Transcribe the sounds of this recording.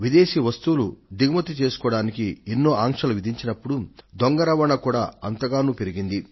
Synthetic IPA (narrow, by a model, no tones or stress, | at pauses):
ʋid̪e̞ːʃiʋɐst̪uːlud̪iɡɐmɐt̪it͡ʃe̞ːsu̥kɔːɽaːnikienːo̞ːʔaːŋʂɐluʋid̪ʱiɲt͡ʃinɐpːuɽud̪oŋɡɐɾɐʋɐɳɐkuːɽaːɐnt̪ɐɡaːnuːpeɾiɡind̪i